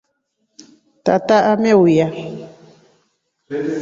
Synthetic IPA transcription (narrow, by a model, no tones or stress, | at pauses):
t̪a̰t̪aʔamẽwuja